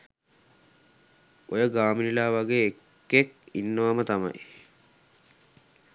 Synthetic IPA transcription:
ojəɡaːminilaːʋaɡeːekː | ekinːəʋamət̪amɐ̰j

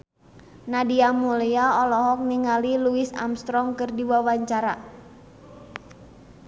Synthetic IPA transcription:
nadiamuliaɔlɔɦɔk̚niŋaliluɪsa̰mst̪ɾɔŋkɨrdiwawaɲt͡ʃaɾa

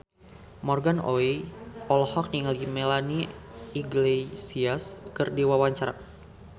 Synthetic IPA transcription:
mɔrɡano̰iʔɔlɔhɔk̚niŋalimelaniiɡlesiaskɨrdiwawaɲt͡ʃaɾa̰

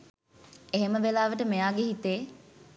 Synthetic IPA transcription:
eɦeməʋelaːʋəʈəmejaːɡeɦit̪eː

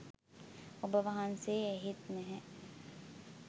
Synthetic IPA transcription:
obəʋaɦanseɛɦit̪nɛɦɛ̃

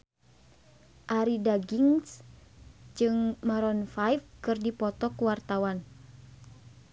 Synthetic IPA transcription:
ʔaɾidaɡiŋs | d͡ʒɨŋmaɾɔnfajfkɨrdipɔt̪ɔkuwart̪awan

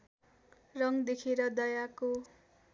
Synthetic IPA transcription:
rʌŋd̪ekʰeɾʌd̪ʌjako

